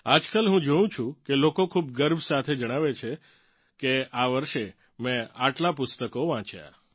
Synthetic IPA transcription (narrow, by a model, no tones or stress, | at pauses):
ad͡ʒkəlɦũd͡ʒə̃ũt͡ʃʰũkelokokʰuːbɡəɾbʱsat̪ʰed͡ʒəɽ̃aʋet͡ʃʰe | keaʋəɾʃe | mɛ̃aʈlapʊst̪əkoʋãt͡ʃja̰